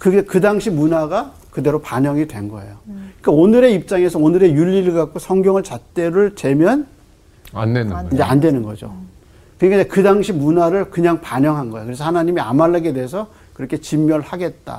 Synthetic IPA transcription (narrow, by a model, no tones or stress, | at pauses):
kɯɡekɯdaŋɕʰimunaɡa | kɯde̞ɾopaɲʌŋidwe̞nɡʌ̰e̞̰jok͈aonɯɾe̞ip̚t͡ɕ͈aŋe̞sʰʌonɯɾe̞juʎːiɾɯɭɡak̚k͈osʰʌŋɡjʌŋɯɭt͡ɕat͈e̞ɾɯɭt͡ɕe̞mjʌn | a̰ndenid͡ʑea̰ndwenɯnɡʌd͡ʑo̰ | kɯɲik͈aekɯdaŋɕʰimunaɾɯɭkɯɲaŋpaɲʌŋɦanɡʌeokɯɾe̞sʰʌhanaɲimia̰malːaɡe̞de̞esʰʌ | kɯɾʌkʰe̞t͡ɕimːjʌɭhaɡe̞t̚t͈a̰